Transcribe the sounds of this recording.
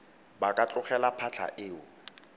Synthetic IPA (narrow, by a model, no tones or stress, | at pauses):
bakʼat͡ɬʼʊχɛlapʰat͡ɬʰa̰ʔɪːʊ